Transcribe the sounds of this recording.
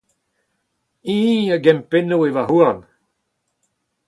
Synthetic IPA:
ĩːəɡɛmpenoevaɦuan

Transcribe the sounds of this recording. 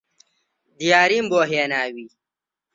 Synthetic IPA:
d̪ijaːɾiːmboːɦenaːwi

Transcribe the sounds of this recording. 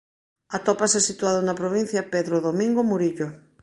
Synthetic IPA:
ɐt̪opasesit̪uaðonɐpɾoβ̞in̟θjapeðɾoðomĩŋɡomuɾiʎo

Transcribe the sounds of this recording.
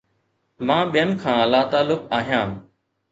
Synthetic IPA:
mãːɓijənkʰãːəlaːt̪aːlːʊkaːɦijãː

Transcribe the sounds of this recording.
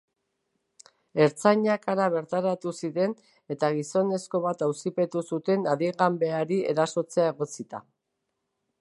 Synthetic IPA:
e̞ɾt͡saɲakaɾaβ̞e̞ɾt̪aɾat̪usiðe̞n | e̞t̪aɣ̞iso̞ne̞sko̞β̞at̪awsipe̞t̪usut̪e̞naðiɣambe̞aɾie̞ɾaso̞t͡se̞ae̞ɣ̞o̞t͡sit̪a̰

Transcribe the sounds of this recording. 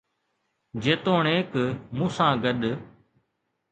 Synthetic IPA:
d͡ʒeːt̪oːɳeːkmũːsãːɡəɗ

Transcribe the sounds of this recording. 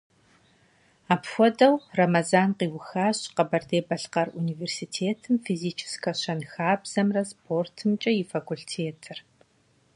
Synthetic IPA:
aːpxʷɔdʼɐwrɐmazaːnqiːwʊxaːɕqɐbɐrdeːbɐɬqɐruniːveːrsiːtʰeːtʰɨmfizit͡ʃʰɪ̥skʰɐɕɐnxaːbz̥ɐmrɐspʰoːrtʰɨmt͡ʃʼɐjɪfɐkʷuɬtʰeːtʰɨr

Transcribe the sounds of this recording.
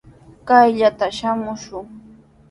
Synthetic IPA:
kajʎat̪aʃamʊʃʊŋ

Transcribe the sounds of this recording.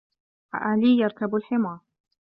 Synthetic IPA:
ʔa̰ʔaːliːjɑɾˤkabalħɪmɑːɾˤ

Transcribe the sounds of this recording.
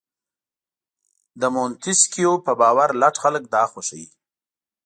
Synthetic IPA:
d̪əmont̪iskijopəbɑːwaɾlaʈxalək̚d̪ɑːxoʃaji

